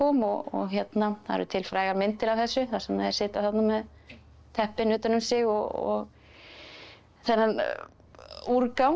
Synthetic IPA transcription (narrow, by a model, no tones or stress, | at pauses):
ɔːmɔɣɔ̰ɣçjɛt̪naθaðɛ̰ɾʏt̪ʰɪlfɾaːjɣamɪnt̪ɪɾavθɛsːʏθḁsɛmɛðɛɾsɪːt̪aθap̪namːɛð | t̪ʰɛhpɪnʏːt̪anʏmsɪɣɔɔ̰ɣ | θɛnːan | uɾkaw